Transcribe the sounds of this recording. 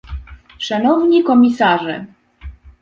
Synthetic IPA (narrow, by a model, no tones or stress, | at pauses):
ʂanɔvɲikɔmʲisaʐɛ̰